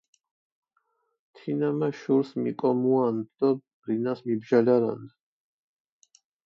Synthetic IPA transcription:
t̪ʰinamaʃuɾsmḭkʼɔmuand̪ɔbɾinasmibʒalaɾa̰nd̪

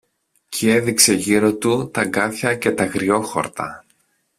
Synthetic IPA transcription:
cʰie̞ðikse̞ʝiɾo̞t̪ut̪ɐŋɡɐθçɐce̞t̪ɐɣɾio̞xo̞̰ɾt̪ɐ̰

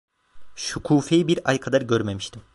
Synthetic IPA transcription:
ʃukʰuːfejibiɾajkʰad̪aɾɟøɾme̞miʃt̪ʰim

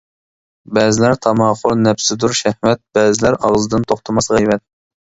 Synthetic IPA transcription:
bɛzɪlæɾt̪ʰɑmɑːχʊɾnɛpsɪd̪uɾʃɛhmɛt̪̚b̥ɛːzɪlæɾɑʁzɨd̪ɨnt̪ʰoχt̪ʰɑmɑsʁijmɛt̪̚

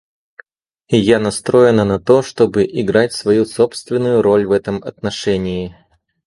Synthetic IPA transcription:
ɪjanɐst̪ɾo̞jɪnənɐt̪o̞ʂt̪o̞bɨʔɪɡɾatʲsvɐjuso̞pst̪vʲɪnːʊjʊɾo̞lʲvɛt̪əmɐ̰t̪nɐʂɛnʲɪɪ

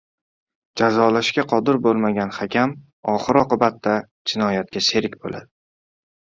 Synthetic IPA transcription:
d͡ʒazɒlaʃkʲaqʰɒd̪ɪɾbolˠmaɡʲanhakʲʰam | ɒχɨɾɒqɨbat̪ʰːa | d͡ʒɪnɒjat̪̚kʲase̞ɾɪkʲbo̰la̰d̪ɪ

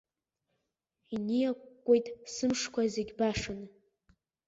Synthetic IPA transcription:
inijakkʷʼːojtʼsɨmʂkʷʰazeɡʲbaʂɨn

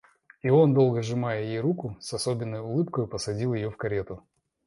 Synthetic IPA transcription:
io̞nd̪o̞lˠɡəʐɨmajəjɪjejɾukʊsɐso̞bʲɪnːəjʊlˠɨpkəjʊpəsɐdʲilˠjɪjofkɐɾʲe̞t̪ʊ

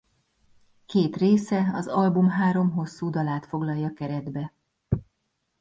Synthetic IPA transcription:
keːt̪reːsɛɒzɒlbumɦaːɾo̞mɦo̞sːuːd̪ɒlaːt̪fo̞ɡlɒjːɒkɛɾɛd̪bɛ

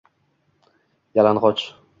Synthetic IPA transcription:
jalanʁɒt͡ʃ

